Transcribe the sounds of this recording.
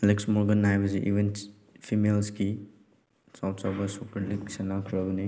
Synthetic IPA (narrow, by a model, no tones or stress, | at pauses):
leksmɔɾɡɐnːajbɐsiʔḭbin | pʰimelski | sawtsawbɐsukɐɾlik̚sɐnakʰɾɐɡɐni